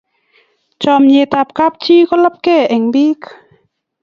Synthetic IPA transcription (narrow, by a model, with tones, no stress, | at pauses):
t͡ɕɔ˧˨mje˧˨t̪a˧p̚ka˧˦p̚t͡ɕʰiː˧˨kɔ˧˥˨la˧˦p̚kɛ˧˩˨ʔɛ˨˩˨ŋbi˦k